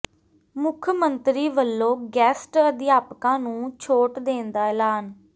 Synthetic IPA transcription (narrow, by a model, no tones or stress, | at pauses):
mʊkʰmənt̪ɾiːʋəlːõːɡɛːsʈəd̪ɪjaːpkãːnũːt͡ʃʰoːʈd̪eːnd̪aːɛlaːn